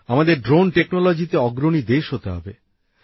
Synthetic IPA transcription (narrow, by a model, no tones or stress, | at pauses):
amad̪eɾɖɾonʈeknolod͡ʑit̪eɔɡɾonid̪eʃɦot̪eɦɔ̰be